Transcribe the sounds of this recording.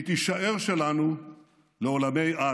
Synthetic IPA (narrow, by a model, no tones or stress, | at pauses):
t̪iʃaʔe̞ʁʃelanu | leo̞lame̞ja